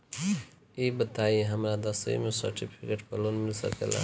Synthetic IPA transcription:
ibət̪aiɦəmɾad̪əsəḭmesə̰ɾʈipʰikeʈpəlonmilsə̰kḛla̰

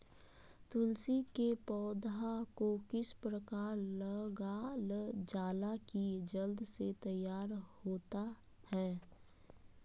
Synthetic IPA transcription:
t̪ʊlsikepɔːd̪akokɪspɾəkaːɾləɡald͡ʒaːlakid͡ʒəld̪set̪əjːaːɾhoːt̪a | hɛː

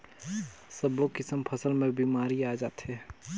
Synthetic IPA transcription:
səbokɪsəmpʰəsəlmẽbʱimaːɾiaːd͡ʒaːt̪ɦɛː

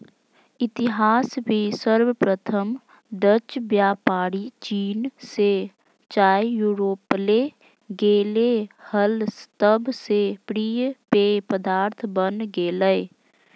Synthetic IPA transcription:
ɪt̪ɪɦaːsbesəɾwəpɾət̪ʰəm | ɖət͡ʃbjaːpaːɽit͡ʃiːnse | t͡ʃaːjjuːɾoːple | ɡeːlehəlst̪əbsepɾiːjpepəd̪aːɾt̪ʰbənɡeːləe

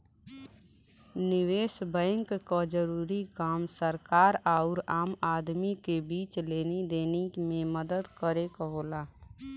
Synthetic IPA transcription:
nɪʋeːʃbɛ̃ːŋkkad͡ʒəɾuːɾikaːmsəɾkaːɾaʊɾaːmaːd̪mikebiːt͡ʃleːned̪eːnemẽməd̪əd̪kəɾekɦoːlaː

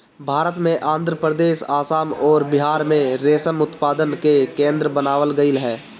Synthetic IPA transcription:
bʱaːɾət̪mẽʔãːnd̪ʱɾəpɾəd̪eːʃaːsaːmɔːɾbɪɦaːɾmẽɾeːsəmʊt̪paːd̪ənkekẽːnd̪ɾəbənaːʋəlɡəɪlɦɛː

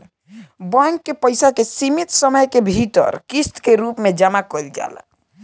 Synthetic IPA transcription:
baŋkːepəjsakesimit̪səməjkebʱiʈə̰ɾkist̪keɾupmed͡ʒəmakɔld͡ʒa̰l̰

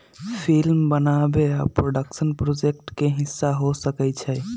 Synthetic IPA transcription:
pʰilmbənabeapɾoɖəksənpɾod͡ʒek̚ʈkeɦisːaɦosəkɛt͡ʃʰɛ

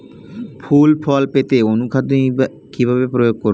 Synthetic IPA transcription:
pʰulpʰɔlpet̪eonukʰad̪o | kibʱabepɾojoɡ̚koɾ

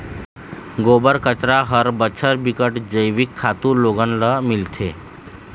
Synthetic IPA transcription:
ɡobəɾkət͡ɕɾaɦəɾbət͡ɕʰəɾbikəʈd͡ʑəjʋikʰːat̪uːloɡənləmilt̪ʰe

